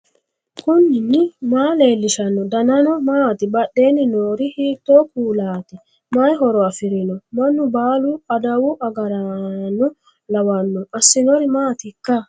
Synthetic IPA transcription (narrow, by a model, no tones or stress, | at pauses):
kʊnːɪnːɪmaːleːlːɪʃɐnːɔd̪ɐnɐnɔmaːt̪ɪbɐɗːe̞ːnɪnoːɾɪhiːt̪ːoːkuːlaːt̪ɪ | majɦɔɾɔɐfɪɾɪnɔmɐnːʊbaːlʊɐd̪ɐwʊʔɐɡɐɾɐnːɔ | lɐwɐnːɔʔɐsːɪnɔɾɪmaːt̪ɪkːɐ